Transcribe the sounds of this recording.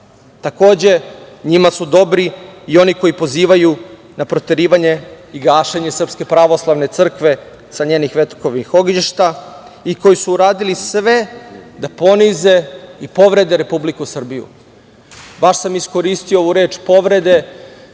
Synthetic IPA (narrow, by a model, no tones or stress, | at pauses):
t̪ako̞ːd͡ʑe̞ɲimasud̪o̞bɾiio̞niko̞jipo̞ziːʋaju | napɾo̞t̪e̞ɾiːʋaɲe̞ | iɡaːʃeɲe̞sr̩pske̞pɾaʋo̞slˠaʋne̞t̪sr̩kʋe̞ | saɲeːnixʋe̞t̪koʋnixo̞ɡliʃt̪a | iko̞jisuːɾaːd̪ilisʋe̞d̪apo̞nize̞ipo̞ʋɾe̞d̪e̞ɾe̞publikusr̩bijṵ | baʃsamisko̞ɾist̪iooʋuɾe̞ːt͡ʃpo̞ʋɾe̞d̪e̞